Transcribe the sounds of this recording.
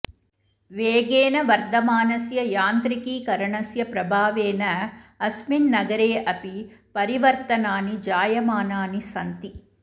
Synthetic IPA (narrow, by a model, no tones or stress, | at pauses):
ʋeːɡeːnɐʋɐɾd̪ɐmaːnɐsjɐjaːnt̪ɾikiːkɐɾɐɳɐsjɐpɾɐbʱaːʋeːnɐːsminːɐɡɐɾeːʔɐpipɐɾiʋɐɾt̪ɐnaːnid͡ʒaːjɐmaːnaːnisɐnt̪i